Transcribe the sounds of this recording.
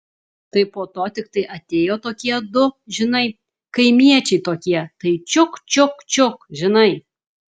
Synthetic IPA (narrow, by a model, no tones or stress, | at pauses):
t̪ɐɪpoːt̪oːt̪ʲɪkt̪ɐɪʔɐt̪ʲeːjoːt̪oːkʲiɛd̪ʊʒʲɪnɐɪ | kɐɪmʲiɛt͡ʃʲɛɪt̪oːkʲiɛt̪ɐɪt͡ʃʲʊkt͡ʃʲʊkt͡ʃʲʊkʒʲɪnɐɪ